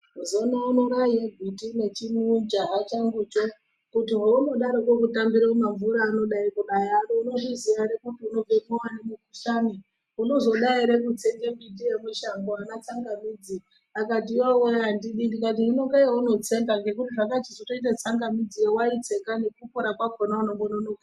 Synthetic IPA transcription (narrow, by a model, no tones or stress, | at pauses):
zonauno̞ɾaiebʱitine̞t͡ʃimund͡ʒaɦat͡ʃaŋɡut͡ʃo | kutiɦouno̞ɗaɾokwokutambiɾaumaɱvuɾaːno̞ɗaikuɗajanouno̞ʐiziaɾekutiuno̞emowanamukuʃani | uno̞zo̞ɗaiɾe̞kut͡se̞ŋɡembit̬ijemeʃamboanat͡saŋɡamid͡zi | akat̬iwoweandiɗindikat̬iɦino̞ŋɡaijauno̞t͡se̞ŋɡaŋɡe̞k̬utiʐakat͡ʃizotoit̬at͡saŋɡamid͡ziewait͡se̞kane̞kupoɾakwakonaunoŋɡononoka